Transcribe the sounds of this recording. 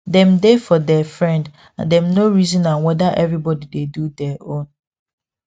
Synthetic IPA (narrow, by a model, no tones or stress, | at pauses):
dɛ̃mdefɔdɛfɹɛ̃nd | ãndɛmnoɹizɔ̃nãnwɛdaʔɛvɹibɔdidedudɛʔõn